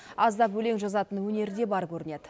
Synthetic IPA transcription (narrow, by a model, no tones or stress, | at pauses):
ɑzd̪ɑpwɵle̞ŋʒɑzɑt̪ənwɵne̞ɾd̪e̞bɑɾkʲɵɾɪne̞d̪̥ɪ